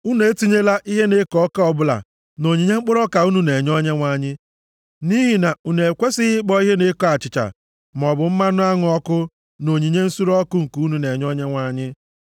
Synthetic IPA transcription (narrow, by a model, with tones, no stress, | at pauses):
u˦ne˨e˦ti˦ɲe˦la˦ʔi˦ɦe˦ne˦kɔ˦ka˦ɔ˨bʊ˦la̰˨ | no˨ɲi˨ɲe˦ŋ͡m̩˦k͡pʊ˦ɾɔ˦ka˨u˦nu˦ne˨ɲɔ˦ɲe˦ŋʷa˦ɲɪ˦ | ni˦ɦi˨na˨u˨ne˨e˨kʷe˦sɪ˦ɪ˦k͡pɔ˦i˦ɦe˦ne˦kɔ˦a˨t͡ʃɪ˨t͡ʃa̰˨ | m˨ɔ˨bʊ˨m̩˦ma˦nʊ˦a˦ŋʊ˦ɔ˦kʊ˦ | no˨ɲi˨ɲe˦n̩˦su˦ɾɔ˦kʊ˦ŋ̩˨ku˨˦u˦nu˨ne˨ɲɔ˦ɲe˦ŋʷa˦ɲɪ˦